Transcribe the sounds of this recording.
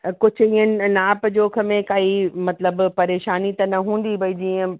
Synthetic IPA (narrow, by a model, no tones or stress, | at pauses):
kʊd͡ʑʱĩə̃nnaːpd͡ʑoːkʰəmẽkaːimɐt̪ləbpɐɾeːʃaːnit̪ɐnɐɦũːn̆d̪ibɐid͡ʑiːə̃